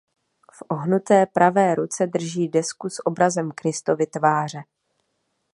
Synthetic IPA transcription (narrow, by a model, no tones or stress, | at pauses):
fʔo̞ɦnut̪ɛːpɾʔavɛːɾut͡sɛd̪r̩ʒiːdɛskusʔo̞bɾazɛmkɾɪst̪o̞vɪt̪vaːr̝ɛ